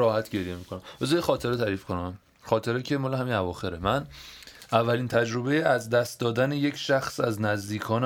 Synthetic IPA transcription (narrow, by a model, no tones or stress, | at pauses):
ɒːhæt̪ʰɟe̞ɾjemikʰonæmbezɒːjexɒːt̪ʰe̞ɾeæɾiːfkʰonæm | xɒːt̪ʰe̞ɾecʰe̞mɒːleɦæminævɒːxe̞ɾemænʔævːæliːnt̪ʰæd͡ʒɾo̞bejeæzd̪æst̪̚d̪ɒːd̪æneje̞cʰʃæxsæznæzd̪iːkʰɒːn